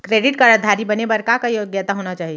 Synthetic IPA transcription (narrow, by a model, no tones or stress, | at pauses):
kɾeɖiʈkaɾad̪ʱaɾibənebəɾkakajoɡjət̪aɦonat͡ʃaːɦi